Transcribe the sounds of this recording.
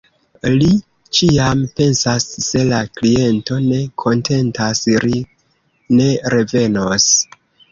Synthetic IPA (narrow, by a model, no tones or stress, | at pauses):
li | t͡ʃiampe̞nsasːe̞laklie̞nto̞ne̞kʰo̞ntʰe̞ntasɾi | ne̞ɾe̞ve̞nos